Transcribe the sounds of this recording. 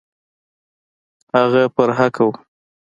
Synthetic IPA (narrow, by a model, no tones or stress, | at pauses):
haɣapəɾɦakʰaw